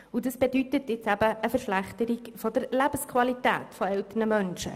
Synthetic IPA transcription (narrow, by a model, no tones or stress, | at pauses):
udəsb̥edytətjɪt͡sæbəːfəɾʃlæχt̪əɾikfɔd̥əɾlæbəskʰʋɑlitæ̰ːtfɔɛltənəmœnʃə̰